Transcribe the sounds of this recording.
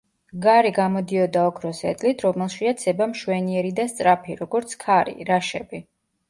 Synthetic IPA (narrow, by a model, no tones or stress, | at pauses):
ɡaɾiɡamɔd̪iɔd̪aɔkʰɾɔsɛt̪ʼlit̪ʰɾɔmɛlˠʃiat̪sʰɛbamʃwɛniɛɾid̪ast̪sʼɾapʰiɾɔɡɔɾt̪sʰkʰaɾḭɾaʃɛbi